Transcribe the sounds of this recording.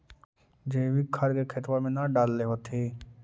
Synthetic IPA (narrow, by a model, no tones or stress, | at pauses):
d͡ʒeːʋikʰɐɾkekʰɪt̪wamẽnaɖaːlːeɦoːt̪ʰeː